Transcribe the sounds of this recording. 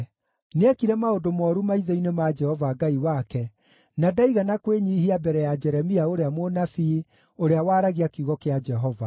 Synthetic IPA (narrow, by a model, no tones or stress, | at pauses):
neakiɾɛmaodomɔɾumaiðɔinemad͡ʒɛhɔvaɡaiwakɛ | nadaiɣanakweɲiːhiabɛɾɛjad͡ʒɛɾɛmiaoɾeamonafi | oɾeawaːɾaɣiakuɣɔkead͡ʒɛɦɔva